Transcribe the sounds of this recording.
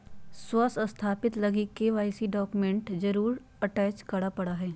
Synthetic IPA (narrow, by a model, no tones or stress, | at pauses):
swəsəst̪ʰaːpɪt̪lɐɡikeʋaːɪsiɖɔːkmẽɳʈd͡ʒɐɾuːɾ | ɐʈɛːt͡ʃkɐɽapɐɽaɦɛː